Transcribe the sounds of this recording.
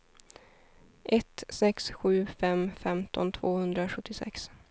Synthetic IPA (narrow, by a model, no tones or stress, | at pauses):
ʔɛt̪sɛksɧʉ̟ːfɛmfɛmt̪ʰɔ̰nt̪ʰvoːhɵnd̪ɾaɧɵt̪ʰːɪsɛ̰ks